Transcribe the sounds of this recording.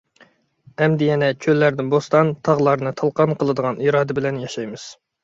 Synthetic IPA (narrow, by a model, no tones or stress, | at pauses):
ɛmd̪ɪjɛnɛkʲʰølːæɾd̪ɪnbost̪ɑnt̪ʰɑʁlˠɑɾnɨt̪ʰɑlˠqɑnqʰəlˠɨd̪əʁɑniːɾɑːd̪ɛbɪlɛnjɑʃɑjmɨz̥